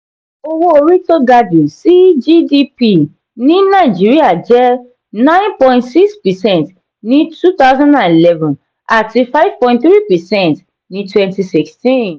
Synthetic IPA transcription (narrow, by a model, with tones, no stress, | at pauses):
o˨wo˦ɹi˦to˦ɡa˦du˨si˦d͡ʒi˦di˦pi˦ | nĩ˦na˨ɪd͡ʒi˦ɹia˨d͡ʒɛ˦ | nã˦ɪ̃npɔ̃j̃ntsi˦kspɛ˨sɛ̃nt | nĩ˦tu˦t̪a˦ʊzã˦ndã˨ni˨lɛ˦vɔ̃n | a˨ti˨fa˦ɪv̥pɔ̃j̃ntθɾi˦pɛ˨sɛ̃˦nt | nĩ˦twɛ̃nti˨si˨kstĩ˦n